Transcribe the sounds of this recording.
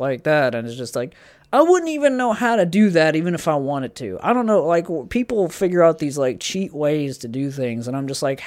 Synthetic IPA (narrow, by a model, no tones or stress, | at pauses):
laɪk̚ðætɨ̃nɨzd͡ʒʌst̚ˡlaɪk | aɪwʊdⁿn̩tivɨ̃nːoʊhaʊɾɨdɨðæɾivɨ̃ñɨfaɪwɑ̃ɾ̃ɨd̚tʰʉ̰a̰ɪɾõʊ̃nːoʊlaɪkpʰipl̩ˠfɪɡjə˞aʊt̪̚ðizlaɪk̚t͡ʃʰiʔweɪz̥tʰɨdɨθɪ̃ŋzə̃ñãɪ̃md͡ʒʌst̚ˡlaɪkh